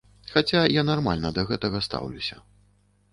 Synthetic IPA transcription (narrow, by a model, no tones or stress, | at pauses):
xat͡sʲajanarma̰lʲnɐd̪ɐɣɛt̪ɐɣɐst̪a̰wlʲusʲɐ